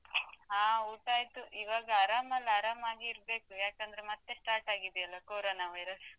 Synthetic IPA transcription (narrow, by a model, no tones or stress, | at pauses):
aːuːʈaːjt̪uʔiʋaːɡɐːɾaːmɐlːaɾaːmaːɡiːɾbe̞ːkujaːkend̪ɐɾemɐt̪ːe̞sʈaːɾʈaːɡid̪ɛɐlːɐkoːɾoːnaːʋɐjɾɐs